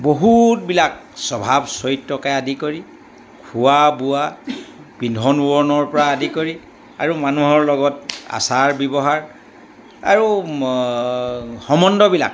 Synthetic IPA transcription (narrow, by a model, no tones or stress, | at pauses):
boɦut̚bilak̚sɔbʱabsɔjtːɔkajadikoɹi | kʰuabua | bindʱɔnuɔɹnɔɹpɔɹaadikoɹi | a̰ɹumanuɦɔɹlɔɡɔta̰saɹbɛbɔɦaɹ | a̰ɹu | xɔmɔndɔbila̰k̚